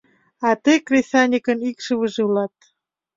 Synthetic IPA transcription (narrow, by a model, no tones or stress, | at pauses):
ɑt̪ekrʲesɑnʲikə̆nikʃəβə̆ʒĕulɑt̪̚